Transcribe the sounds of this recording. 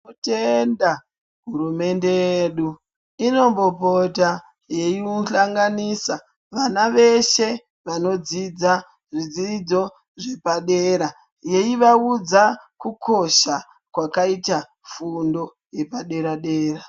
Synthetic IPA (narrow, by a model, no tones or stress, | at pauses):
utenda | ɦurume̞nde̞jeːɗu | ino̞mbo̞pota | je̞jiuɬaŋɡaniːsa | ʋanaʋe̞ʃe̞ | ʋano̞d͡zid͡za | ʐid͡zid͡zo̞ | ʐe̞paɗe̞ːɾa | je̞iʋaud͡zakukʰo̞ʃa | kwakaita | fundo̞ | je̞paɗe̞ɾaɗe̞ːra